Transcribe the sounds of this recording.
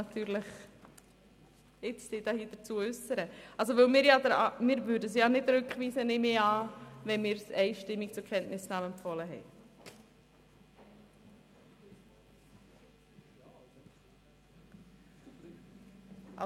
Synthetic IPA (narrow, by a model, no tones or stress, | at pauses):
ɑt̪yːɾləχ | ɪt͡ssid̥ɑhiːd̪̥ət͡suəʉsəɾəɑls̬oʋɵlmɪːɾjɑd̪əɾɑmɪːɾvʏːɾdəs̬jɑnɪdɾʉkχʋiːsənɪmeɑːʋɛnmɪːɾsɛɪʃtɪmːikt͡sʊɾkʰɛntnɪsnaːmɛmfɔləɦɛɪ